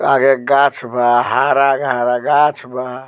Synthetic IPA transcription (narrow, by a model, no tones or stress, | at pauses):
aɡeɡat͡ʃʰbʱahaɾaɡɦaɾaɡat͡ʃʰba